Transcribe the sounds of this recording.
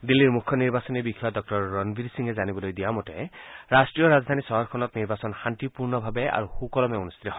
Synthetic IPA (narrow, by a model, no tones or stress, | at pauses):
d̪ilːiɹmukʰːjɔniɹbasɔnibikʰːiadɔk̚ʈɔɹːɔnbʱiɾsiŋezanibɔlojd̪ijamɔteɹasʈɹijɔɾazd̪ʱanisɔɦɔɾkʰɔnɔt̪niɹbasɔnxant̪ipuɹnɔbʱabea̰ɹuxukɔlɔmeunust̪ʰitɔɦ